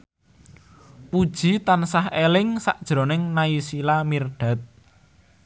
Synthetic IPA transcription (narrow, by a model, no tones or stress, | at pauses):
pud̥ʒ̥i̤t̪ansahelɪŋsa̰ʔd̥ʒ̥ɾo̤nɪŋnaisilamirɖ̥a̤t̪̚